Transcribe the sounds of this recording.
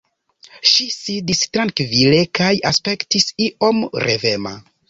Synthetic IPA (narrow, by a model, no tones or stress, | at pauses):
ʃisidistɾaŋkvile̞kajaspe̞ktisiʔo̞mɾe̞ve̞ma̰